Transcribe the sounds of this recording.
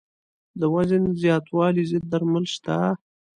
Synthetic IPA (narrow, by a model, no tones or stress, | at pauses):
d̪əwazənzjɑt̪wɑlizɪd̪̚ːaɾmalʃt̪a